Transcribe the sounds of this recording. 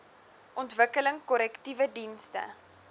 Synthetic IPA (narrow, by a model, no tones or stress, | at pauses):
ʔɔntvəkələŋkɔɾɛktivədinstə̰